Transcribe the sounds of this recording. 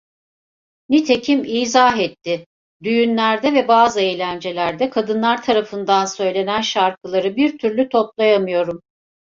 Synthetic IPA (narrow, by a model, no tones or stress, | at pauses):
nit̪ʰe̞cʰimiːzaɦɛt̪ʰːɪ | d̪yjynlʲæɾd̪ɛvɛbaːzɯejlʲænd͡ʒe̞lʲæɾd̪ɛkʰad̪ɯnlˠaɾt̪ʰaɾafɯnd̪ansø̞jlʲe̞nænʃaɾkʰɯlˠaɾɯbiɾt̪ʰyɾlʲyt̪ʰo̞plˠajamɯjo̞ɾum